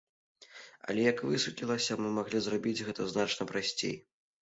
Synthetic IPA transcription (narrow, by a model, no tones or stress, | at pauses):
ɐ̰lʲɛjɐkvɨsupʲlʲilˠɐsʲɐmɨmaɣlʲizrabʲid͡zʲɣɛt̪ɐznat͡ʂnɐpɾasʲt͡sʲḛj